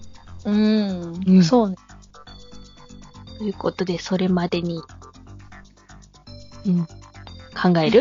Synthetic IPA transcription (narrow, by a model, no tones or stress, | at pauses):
ɯ̟̃ | so̞ːn | t̪ojɯ̟ko̞t̪o̞d̪e̞so̞ɾe̞mad̪e̞ɲ̟i | ɯ̟̃ɴkʰãŋɡae̞ɾɯ̟